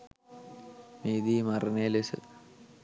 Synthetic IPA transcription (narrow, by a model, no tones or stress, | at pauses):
miːd̪iːmɐrnelesɨ̰